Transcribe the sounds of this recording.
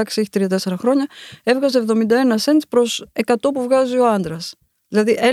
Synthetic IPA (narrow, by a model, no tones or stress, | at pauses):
ɐksie̞çit̪ɾiɐt̪e̞se̞ɾɐxɾo̞ɲɐe̞vɣɐsevðo̞mind̪ɐe̞nɐse̞nt̪spɾo̞se̞kɐt̪o̞puvɣɐzio̞ɐnd̪ɾɐs | ðilɐðiʔe